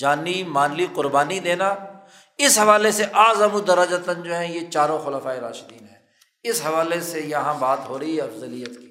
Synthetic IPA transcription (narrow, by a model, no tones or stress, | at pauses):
d͡ʒaːnimaːnliqʊɾbaːnid̪eːna | ɪsɦɐʋaːleseʔaːzəmud̪ɐɾəd͡ʒət̪ənd͡ʒoːɦɛ̃jet͡ʃaːɾõxʊləfaːeɾaːʃd̪iːnɦɛː | ɪsɦɐʋaːlesejɐɦãbaːt̪ɦoːɾəiɐfzəlijət̪kiː